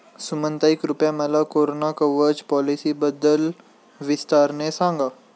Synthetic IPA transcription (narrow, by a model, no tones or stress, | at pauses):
sumə̃nt̪aːikɾʊpjamɛlakoːɾoːnakəʋəɾd͡ʒpɔːlisibəd̪əl | ʋɪst̪aːɾnesãːŋɡaː